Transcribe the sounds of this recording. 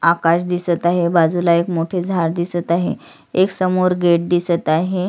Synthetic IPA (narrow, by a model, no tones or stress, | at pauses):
akaɕd̪isət̪aɦebad͡zulaekmoʈʰed͡zʱaɾd̪isət̪aɦḛ | eksəmoɾɡeʈ̚d̪isət̪aɦe